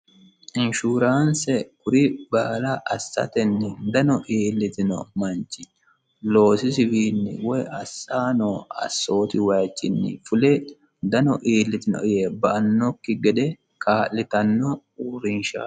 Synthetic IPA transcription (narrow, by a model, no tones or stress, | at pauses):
ʔɪnʃuːɾaːnsɛkʊɾɪbaːlɐʔɐsːɐ̰t̪ɛnːɪd̪ɐnɔʔeːlːɪt̪ɪnɔ̰mɐnt͡ʃːɪ | lo̞ːsɪsɪwiːnːɪ̰wɔjɐsaːnoːɐ̰sːo̞ːt̪ɪwɐjt͡ʃʼːɪnːɪ̰fʊlɛ | d̪ɐnɔʔeːlːɪt̪ɪnɔ̰ɪjebɐʔɐnːɔkːɪɡɛd̪ɛ | kaːlːɪt̪ɐnːɔ | uːɾɪnʃa̰